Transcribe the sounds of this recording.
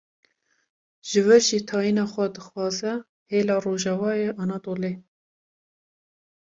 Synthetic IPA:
ʒ̥ɨvɛɾʒiːt̪ʰɑːjiːnɑːxʷɛd̪ɨxwɑːzɛ | heːlɑːroːʒɑvɑːjeʔɑnɑːt̪oːleː

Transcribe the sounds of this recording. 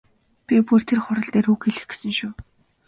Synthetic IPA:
pʲipur̥t̪ʰerχʊɾə̆ɮt̪eːɾuːkxeɮɘ̆xɡe̥sɘ̆ŋʃuː

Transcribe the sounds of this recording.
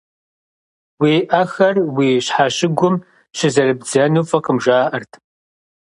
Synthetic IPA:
wiːʔɐxɐrwiːɕħaːɕɪɡʷʊm | ɕʰɪzɐɾɨbd͡zɐnuːfʼɐqəmʒʷaːʔɐrtʰ

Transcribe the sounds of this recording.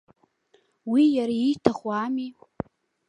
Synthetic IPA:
wijaɾaitʰaχʷwami

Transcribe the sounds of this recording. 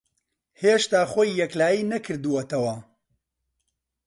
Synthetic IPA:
heːʃt̪aːχoːjːɛklaːjiːnɐkʰɨɾd̪uwot̪ɐwɐ

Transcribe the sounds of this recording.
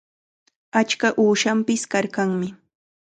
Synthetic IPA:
at͡ʃkaʔuːʃampɪskaɾkaŋmɪ

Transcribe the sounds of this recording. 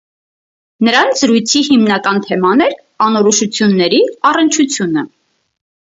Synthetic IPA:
nəɾɑnzəɾujt͡sʰihimnɑkɑnt̪ʰɛmɑnɛɾ | ɑnɔɾɔʃut͡sʰjunːɛɾiɑrənt͡ʃʰut͡sʰjunə

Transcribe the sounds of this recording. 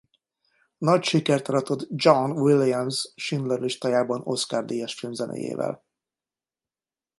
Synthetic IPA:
nɒcʃikɛrt̪ɒɾɒt̪od̪d͡ʒɒnwilijamsʃind̪lɛɾliʃt̪aːjaːbɒno̞skaːrd̪ijɛʃfilmzɛnʔḛːjḛːvɛ̰l

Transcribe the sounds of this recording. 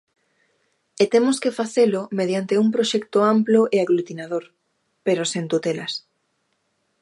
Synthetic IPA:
et̪emoskefaθelʊmeð̞jant̪euŋpɾoʃɛkt̪oamploʔeaɣlut̪inaðoɾ | peɾosent̪ut̪elas

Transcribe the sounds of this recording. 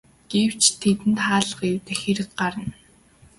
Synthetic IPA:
ɡ̥ew̥t͡ɕt̪ʰet̪ɘ̆nt̪χaːɮə̆χewt̪eːxeɾɘ̆k̪̚ɢaɾə̆n

